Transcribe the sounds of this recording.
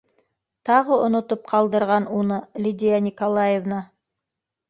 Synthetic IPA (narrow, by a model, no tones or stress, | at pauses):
t̪ɑʁɤŏnŏt̪op̚qʰɑlˠd̪ɤ̆ɾʁɑnunɤlʲid̪ʲɪjanʲɪkolˠajevnɑ